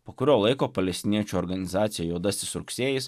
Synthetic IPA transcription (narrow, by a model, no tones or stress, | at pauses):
poːkʊɾʲoːlˠɐɪkoːpɐlʲɛsʲt̪ʲɪnʲiɛt͡ʃʲuɔɾɡɐnʲɪzɑːt̪sʲɪjɛjoːd̪ɐsʲt̪ʲɪsɾʊksʲeːjɪs